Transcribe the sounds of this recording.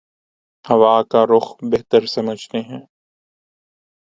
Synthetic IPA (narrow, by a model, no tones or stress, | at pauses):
hɐʋaːkaɾʊxbeɦt̪əɾsɐməd͡ʒʱt̪eɦɛ̃ː